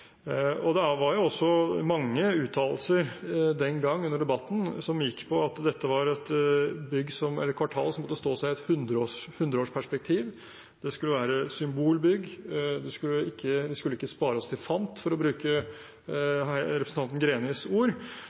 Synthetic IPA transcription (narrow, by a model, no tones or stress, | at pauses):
ɔd̪ɛʋɑɾjʊɔsːɔmɑŋːəʉːt̪ʰɑːll̩səɾd̪ɛnɡɑŋːʉnːəɖɛbɑt̪ːn̩sɔmjɪkːpʰɔɑt̪d̪ɛt̪ːəʋɑɾɛt̪bʏɡːsɔmɛ̰lːəɾkʰʋɑʈʰɑ̰ːlsɔmɔt̪ːəst̪oːsæɪɛt̪hʉnd̪ɾəohʉnd̪ɾəoːʂpʰæʂpɛk̚t̪ʰiːʋ | d̪̥ɛskʉlːəʋæːɾəsʏmbuːlbʏɡːd̪ɛskʉlːəɪkːəʋɪskʉlːəɪkːəspɑːɾəɔst̪ʰɪlfɑnt̪fɔɾɔbɾʉːkə | ɾɛpɾsn̩ʰɑnt̪ən̩ɡɾeːnɪsuːɾ